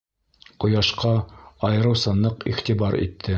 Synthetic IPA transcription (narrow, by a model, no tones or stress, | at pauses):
qŏjɑʃqɑɑjɤ̆ɾɤ̆wsɤ̆nlˠɤqḭχt̪ibɑɾḭt̪ʰːɘ